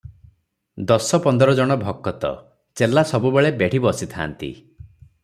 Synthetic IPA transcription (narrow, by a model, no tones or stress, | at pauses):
d̪ɔsɔpɔnd̪ɔɾɔd͡ʒɔɽ̃ɔbʱɔkːɔt̪ɔ̰ | t͡ʃelːasɔbubeɭebeɽ̤ibɔsit̪ʰa̰nt̪ḭ